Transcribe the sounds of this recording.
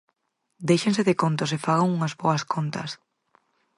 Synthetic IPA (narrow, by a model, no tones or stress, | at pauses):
d̪ejʃẽnseðɪkont̪ʊsefaɣaŋuŋazβoɐskont̪ɐ̰s